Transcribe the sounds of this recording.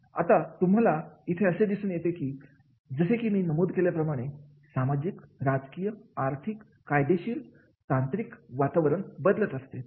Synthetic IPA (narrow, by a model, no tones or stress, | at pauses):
a̰t̪at̪um̤alait̪ʰeəsed̪isuːnjet̪ekiː | d͡zəɕekiːmiːnəmuːd̪keljapɾəmaɽ̃e | samad͡ʑikɾad͡zkijəaɾt̪ʰikːajd̪eɕiːl | t̪ant̪ɾikʋat̪aʋəɾəɳbəd̪lət̪əst̪e